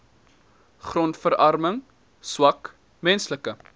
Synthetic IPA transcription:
χrɔntfəɾɐrməŋ | swɐk | mɛnsləkə

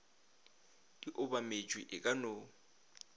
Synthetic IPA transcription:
d̥iʔʊbamed͡ʒʱʼwiʔɪkʼano

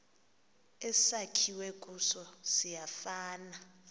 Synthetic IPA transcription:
ɛsakʰiwekʼusɔsijafaːna

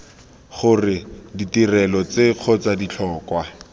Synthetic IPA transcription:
χʊrɪditirɛlɔt͡seq͡χʰɔt͡sadit͡ɬʰɔːkwa

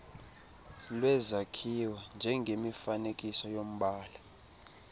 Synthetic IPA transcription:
lwɛzakʰiwɛnd͡ʒʱɛŋɡʱemifanekʼisɔjom̩ɓaːla

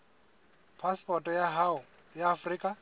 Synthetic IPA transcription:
pʰaspʰʼɔtʼɔjaɦaʊ | jaːfriːkʼa

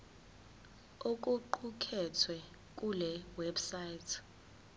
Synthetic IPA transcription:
ok̬ʼuǃukʰɛtʰwɛ | k̬ʼulɛwɛbsajtʰ

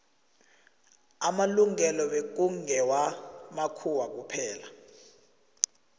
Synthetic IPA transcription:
amaluŋɛlɔɓek̬ʼuŋʱɛwamakʰuwak̬upʰɛːla

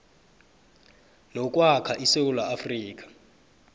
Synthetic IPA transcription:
nɔkʼwakʰaʔisewulaʔːfriːk̬ʼḁ

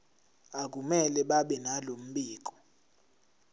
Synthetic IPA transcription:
ak̬ʼumɛlɛɓaɓɛnalom̩ɓiːk̬ʼɔ̥

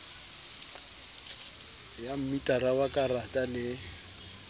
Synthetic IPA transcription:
jam̩mitʼaɾawakʼaratʼalɪ

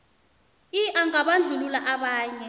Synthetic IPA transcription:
iʔaŋaɓand͡ɮʱululaʔaɓaːɲɛ

